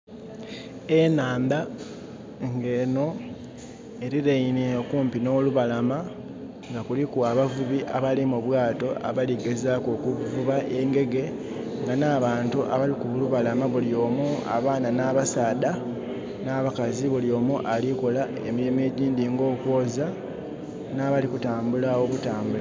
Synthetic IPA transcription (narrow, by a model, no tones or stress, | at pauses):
enaːnda | ŋɡe̞ːno̞ | e̞ɾiɾeineokuːmpino̞ːluβalama | ŋɡakulikuaβavuβiʔaβalimuβwaːto̞ʔa̰βaliɡezakoːkuvuβaʔe̞ːŋɡe̞ɡe̞ | ŋɡanaːβaːntuʔaβalikuβuluβalamaβuljo̞ːmua̰βaːnanaβasaːda | naːβakaziβuljo̞ːmuʔalikola | e̞miɾime̞ːɟiːndiŋɡo̞ːkwo̞ːza | naːβalikutaːmbulaokutaːmbula